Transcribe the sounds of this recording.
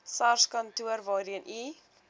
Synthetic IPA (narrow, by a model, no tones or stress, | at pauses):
sɐrskɐntuərvɑːɾiənʔi